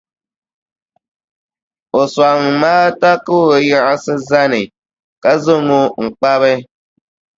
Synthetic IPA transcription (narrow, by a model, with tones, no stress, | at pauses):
o˨swa˨ŋ˨maː˦ta˦ko˦˨jɛ˦ʔa˦sɨ˦za˦nɨ˨ | ka˦zo˦ŋo˦ŋ̩˨k͡pa˦βɨ˦